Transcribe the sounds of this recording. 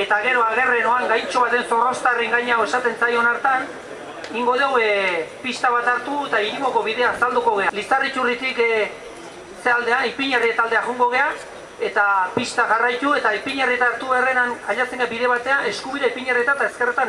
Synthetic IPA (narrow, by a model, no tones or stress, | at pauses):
e̞t̪aɣe̞ɾo̞aɣ̞e̞re̞no̞aŋɡajnt͡ʃo̞β̞at̪e̞nso̞ro̞st̪ariŋɡajɲaoe̞sat̪e̞nt͡sajo̞naɾt̪an | iŋɡo̞ð̞ewepist̪aβat̪aɾt̪uet̪aiɾimo̞ko̞βiðe̞aːsald̪uko̞ɣ̞e̞alisarit͡ʃurit̪ik | seald̪e̞anipiɲeriet̪ald̪eaɣuŋɡo̞ɣ̞e̞a | e̞t̪apist̪aʝarajt̪ue̞t̪aipiɲerit̪aːɾt̪uβe̞renanaʎat͡senɡabiðe̞β̞at̪e̞aʔe̞skuβiɾeipiɲerit̪at̪ae̞ske̞rt̪a